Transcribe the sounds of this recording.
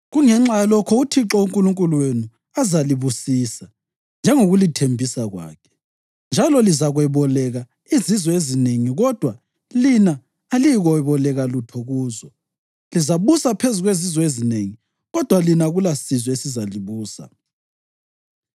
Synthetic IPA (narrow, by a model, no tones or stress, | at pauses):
ɣuŋɛŋ͡ǁalɔkʰɔutʰiǁɔuŋkʼuluŋkʼuluwenu | azaliβusisa | nd͡ʒʱɛŋoɣulitʰembʱisaɣwa̰ːkʰɛ̥ | nd͡ʒʱalɔlizaɣwɛβɔlɛɣa | izizwɔezineŋiɣɔd̥ʱwa | linaː | lijɣɔɛβɔlɛɣalutʰɔɣuːzɔ | lizaβusapʰezuɣwezizwɔezineŋi | ɣɔd̥ʱwalinaɣulasizɔesizaliβuːsa̰